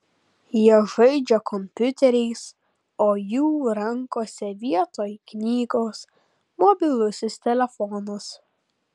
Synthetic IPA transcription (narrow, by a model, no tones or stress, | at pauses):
jiɛʒɐɪd͡ʒʲɛkɔmʲpʲʊt̪ʲɛɾʲɛɪs | oːjuːɾɐŋkoːsʲɛʋʲiɛt̪oːjknʲiːɡoːs | mɔbʲɪlʲˠʊsʲʊst̪ʲɛlʲɛfɔnʊs